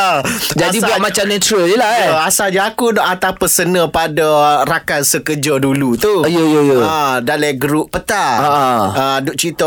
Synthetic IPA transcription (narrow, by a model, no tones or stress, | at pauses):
d͡ʒadibuamãt͡ʃamnɛ̃t̪ɾəljəlaasalɲaakunɔʔat̪apəsənə̃padaɾakansəkəd͡ʒədulut̪ujəjəjəədalɛɡəɾuʔpət̪aəʔəədʊʔ̚t͡ʃit̪o